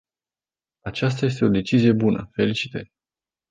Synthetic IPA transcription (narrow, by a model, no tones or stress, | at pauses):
at͡ʃas̬t̪aje̞s̬t̪e̞o̞d̪e̞t͡ʃizije̞bunəfe̞lit͡ʃi̥t̪əɾʲ